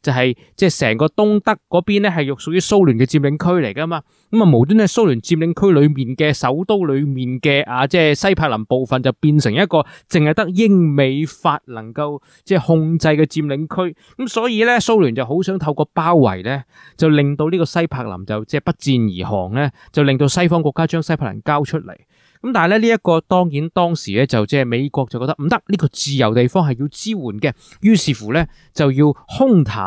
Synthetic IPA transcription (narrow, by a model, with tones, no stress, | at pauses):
t͡sɐ˨wɦɐ˨j | t͡sɛː˥˩sɛ̰ː˨˩ŋkɔː˧t̪ʊ˥ŋt̪ɐ˥kːɔː˨˥piː˥nlɛː˥ɦɐ˨jjʊ˨k̚sʊ˨k̚jyː˧˥so˥wlyː˨˩nkɛː˧t͡siː˧mlɪ˨˧ŋkʰɵ˥ɥle˨˩jkaː˧maː˧ | kɐ˦˥ma˨mo˨˩wt̪yː˥nɛ˥so˥wlyː˨˩nt͡siː˧mlɪ˨˧ŋkʰɵ˥ɥlɵ˨˧ɥmiː˨nkɛː˧sɐ˨˥wt̪o˥wlɵ˨˧ɥmiː˨˩nkɛː˧ʔaː˧t͡sɛː˥˩sɐ˥jpʰaː˧k̚lɐ˨˩mpo˨wfɐ˨nt͡sɐ˨wpiː˧nsɪ˨˩ŋjɐ˥t̚kɔː˧t͡sɪ˨ŋhɐ˨jt̪ɐ˥k̚jɪ˥ŋme˨˧jfaː˧t̚lɐ˨˩ŋkɐ˧w | t͡sɛː˥˩hʊ˧ŋt͡sɐ˧jkɛː˧t͡siː˧mlɪ˨˧ŋkʰɵ˥ɥ | kɐ˨˥msɔː˨˥jiː˧lɛː˥so˥wlyː˨˩nt͡sɐ˨wɦo˨˥wsœː˨˥ŋt̪ʰɐ˧wkɔː˧paː˥wːɐ̰˨˩jlɛː˥ | t͡sɐ˨wlɪ˨ŋt̪o˧wliː˥kɔː˧sɐ˥jpʰaː˧k̚lɐ̰˨˩mt͡sɐ˨wt͡sɛː˥˩pɐ˥t̚t͡siː˧njiː˨˩hɔ̰ː˨˩ŋlɛː˥ | t͡sɐ˨wlɪ˨ŋt̪o˧wsɐ˥jfɔː˥ŋkʷɔː˧kːaː˥t͡ʃœː˥ŋsɐ˥jpʰa˨˩ljɐ̰˨˩nkaː˥wt͡ʃʰɵ˥t̚lɐ̰˨˩j | kɐ˨˥mt̪aː˨n˨lɛː˥liː˥jɐ˥tkɔː˧t̪ɔː˥ŋjiː˨˥nt̪ɔː˥ŋsiː˨˩lɛː˥t͡sɐ˨wt͡sɛː˥me˨˧jkʷɔː˧k̚t͡sɐ˨wkːɔː˧kt̪ʔm̩˨˩t̪ɐ˥k̚liː˥kɔː˧t͡siː˨˩jɐ˨˩wt̪e˨jfɔː˥ŋɦɐ˨jiː˧wt͡siː˥wuː˨˩nkɛ˧ | jyː˥siː˨˩fuː˨˩lɛː˥ | t͡sɐ˨wjiː˧whʊ˥ŋt̪ʰa̰ː˨˩